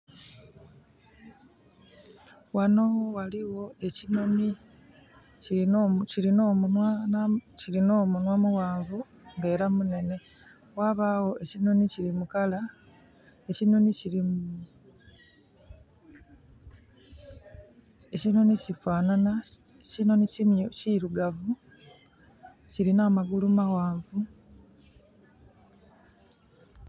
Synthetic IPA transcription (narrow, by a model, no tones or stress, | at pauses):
wano̞wowaliwo̞e̞cinoni | ciciɾinomunanciɾinoːmunwamuwaːɱvu | ŋɡe̞ːɾamune̞ne̞ | waβawo̞ʔe̞cino̞niciɾimukala | ecino̞niciɾi | ecino̞nicifaːnana | cino̞nicimociɾuɡavu | ciɾinaːmaɡulumawaːɱvu